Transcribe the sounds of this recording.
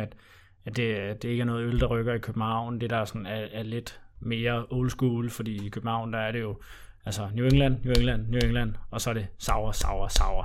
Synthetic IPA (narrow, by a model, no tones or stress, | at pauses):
æd̥ | æd̥e̝d̥e̝e̝ɡəæɐnɔ̽ːð̩ˠøld̥ɑ̈ʁœɡ̥ɐikʰøb̥n̩hɑ̈ʊ̰nd̥e̝d̥ɑ̈sɒ̽nææɐle̝d̥me̝ːɐɔʊlsɡ̥uːlfɒ̽d̥ḭːikʰøb̥n̩hɑ̈ʊnd̥ɑ̈æɐɾe̝jo̝ | ælsɐnjueŋlæn̰njueŋlæn̰ːjueŋlæn̰ɒ̽sɒ̽ɐɾ̥e̝sɑ̈ʊɐsɑ̈ʊɐsɑ̈ʊɐ